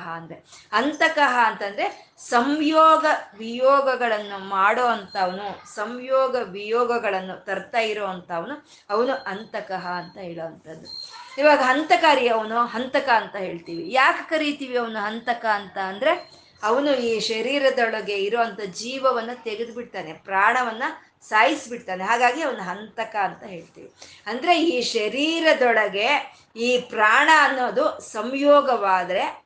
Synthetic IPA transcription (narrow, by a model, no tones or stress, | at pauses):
ɦɐɐnd̪ɾeɐnt̪ɐkɐɦɐːnt̪ɐnd̪ɾe̞ | sɐmjɔːɡɐʋijɔːɡɐɡɐɭɐnːumaːɽoːɐnt̪ɐːʋɐnusɐmjɔːɡɐʋijɔːɡɐɡɐɭɐnːut̪ɐɾt̪aːjiɾoːɐnt̪ɐːʋɐnu | ɐʋɐnuʔɐnt̪ɐkɐɦɐːnt̪ɐɦeːɭoːʋɐnt̪ʰɐd̪ːuiːʋaːɡɐɦɐnt̪ɐkaːɾiɐʋɐnuɦɐnt̪ɐkɐːnt̪ɐɦe̞ːɭt̪iːʋijaːke̥kɐɾit̪iːʋiɐʋɐnuɦɐnt̪ɐkɐːnt̪ɐːnd̪ɐɾe̞ | ɐʋɐnuiːʃɐɾiːɾɐd̪ɔɭɐɡe̞iɾoːɐnt̪ɐd͡ʒiːʋɐʋɐnːɐt̪eɡed̪biʈt̪aːne̞pɾaːɳɐʋɐnːɐ | saːjisbiʈt̪aːneɦaːɡaːɡiɐʋɐnːuɦɐnt̪ɐkɐːnt̪ɐɦe̞ːɭt̪ḭːʋi | ɐnd̪ɐɾe̞iːʃɐɾiːɾɐd̪ɔɭɐɡe̞ | iːpɾaːɳɐːnːoːd̪usɐmjɔːɡɐʋaːd̪ɐɾe̞